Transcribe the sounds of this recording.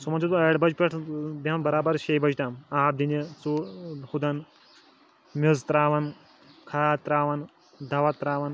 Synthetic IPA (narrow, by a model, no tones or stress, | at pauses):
sumɐnt͡ʃʰut̪ɐɽbɐd͡ʒpʲeʈʰb̪ʱaːnbɐɾaːbɐɾʃeːjbɐd͡ʒt̪aːmaːb̚d̪inet͡suhud̪ɐn | muzt̪ɾaːʋɐn | kʰaːt̪ɾaːʋɐn | d̪ɐʋɐt̪ɾaːʋɐn